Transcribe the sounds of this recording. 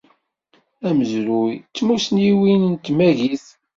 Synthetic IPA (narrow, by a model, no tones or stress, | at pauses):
æməzɾujt͡sːmusniwinənt̪mæʝiθ